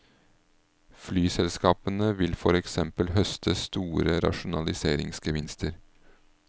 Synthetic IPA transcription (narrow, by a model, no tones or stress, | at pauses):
flyːsɛlskɑːpənəʋɪlfɔɾɛksɛmpəlhœst̪ʰəst̪uːɾəɾɑ̰ʃʊnɑlɪseːɾɪ̰ŋsɡəʋɪnst̪ʰəɾ